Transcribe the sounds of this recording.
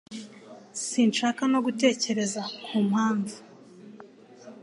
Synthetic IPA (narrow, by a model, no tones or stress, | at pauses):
siːnʃaːkano̞ɡute̞ːce̞ɾe̞zauːmhaːɱvu